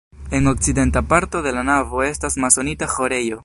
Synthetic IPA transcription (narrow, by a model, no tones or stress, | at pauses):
e̞ŋo̞k̚t͡side̞ntapaɾto̞de̞lanavo̞e̞stasmaso̞nitaxo̞ɾe̞jo̞